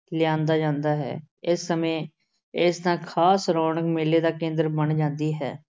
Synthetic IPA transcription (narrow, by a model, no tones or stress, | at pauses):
lɪjãːnd̪aːd͡ʒãːnd̪aːɦɛ̰ː | ɪsːəmẽː | ɪsnãːkʰaːsɾɔːɳəkmeːleːd̪aːkẽːnd̪əɾbənd͡ʒãːnd̪iːɦɛ̰ː